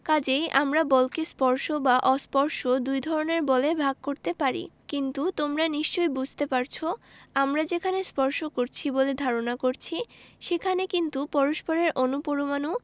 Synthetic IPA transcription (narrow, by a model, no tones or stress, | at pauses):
kad͡ʑejʔamɾabɔlkespɔɾʃobaʔɔspɔɾʃod̪ujd̪ʱɔɾoneɾbɔlebʱaɡ̚koɾt̪epaɾḭkint̪ut̪omɾaniʃt͡ɕojbud͡ʑʱt̪epaɾt͡ɕʰoamɾad͡ʑekʰanespɔɾʃokoɾt͡ɕʰiboled̪ʱaɾonakoɾt͡ɕʰiʃekʰanekint̪upɔɾoʃpoɾeɾʔonupoɾomanu